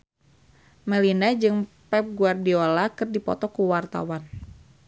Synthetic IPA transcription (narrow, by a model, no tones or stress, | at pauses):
mɛlinad͡ʒɨŋpɛp̚ɡuardiolakɨrdipɔ̰t̪ɔkuwart̪a̰wan